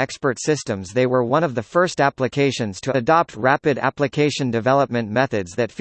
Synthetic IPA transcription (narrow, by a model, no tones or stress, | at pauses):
ɛkspə˞tsɪstɨ̃mzðeɪwə˞wʌ̃ñʌvðɨfɜ˞stæplɨkʰeɪʃɨ̃nz̥tʰɨɨdɑp̚t̚ʰɹæpɨɾæ̰plɨkʰeɪʃɨ̃ndɨvɛlˠəp̚mɨ̃nmɛθɨdzðɨtf